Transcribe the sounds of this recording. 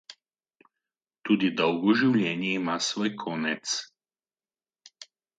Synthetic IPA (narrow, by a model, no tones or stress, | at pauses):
t̪uːd̪id̪ɔwɡɔʒiwlʲjɛːnjɛimasʋoːjkʰɔːnɛt̪s